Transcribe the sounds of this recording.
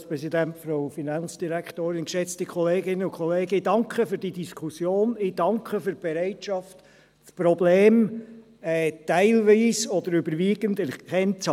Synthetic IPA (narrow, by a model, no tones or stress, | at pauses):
spɾɛsidæntfɾoʊfinɑnsd̥iɾæktoːɾɪnkʃɛt͡stikʰχɔleːɡɪnːəʊkʰχɔleːɡəɪd̥ɑŋkχəfyːɾd̥idiskχusjoːnɪd̥ɑŋkχəfyb̥ɛɾæɪtʃɑft | spɾɔbleːm | ɛtæɪlʋiːsɔd̥̪əɾʏbəɾʋiːɡəndɛɾkʰɛnt͡s